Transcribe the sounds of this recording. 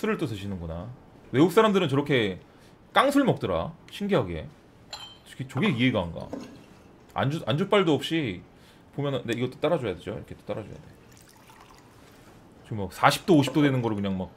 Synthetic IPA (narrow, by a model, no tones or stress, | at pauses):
sʰɯɾɯɭt͈osʰɯɕʰinɯnɡʌna | we̞uk̚s͈aɾamdɯɾɯnt͡ɕʌɾʌkʰe̞ | k͈aŋsʰuɭmʌk̚t͈ɯɾa̰ɕʰiŋɡeɦaɡe̞̰ | kʰet͡ɕoɡe̞ie̞ɡanɡa̰ | a̰nd͡ʑuand͡ʑuk̚p͈aɭdoʌp̚ɕ͈i | pomjʌnɯndeiɡʌt͈o̥t͈aɾad͡ʑojade̞d͡ʑo̰ḭɾʌkʰe̞t͈o̥t͈aɾad͡ʑo̰ja̰de̞ | t͡ɕiɡɯmaksʰaɕʰi̥p̚t͈oːɕʰi̥p̚t͈odwenɯnɡʌɾɭkɯɲaŋmak̚